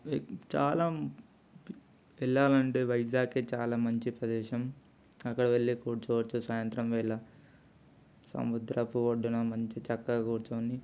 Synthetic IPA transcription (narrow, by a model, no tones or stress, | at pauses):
t͡ʃaːlaː | ɛɭːaːlɐɳʈeːʋɐjd͡ʒaːket͡ʃaːlaːmɐɲt͡ʃipɾɐd̪ɛːʃɐm | ɐkːɐɽɐʋeɭːikuːɽt͡ʃɔːʋɐt͡ʃːusaːjɐnt̪ɾɐmʋɛːlɐ | sɐ̰mud̪ɾɐpuʋoɖːunɐmɐɲt͡ʃit͡ʃɐkːɐɡaːkoːɽut͡ʃoːni